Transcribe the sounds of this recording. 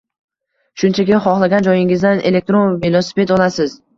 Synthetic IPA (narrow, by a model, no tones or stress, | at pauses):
ʃʊnt͡ʃʰakʲɪχɒχlˠaɡʲand͡ʒɒjɪŋɪzd̪anelek̚t̪ɾo̞nvelˠosɪ̥pe̞t̪ɒlasɪz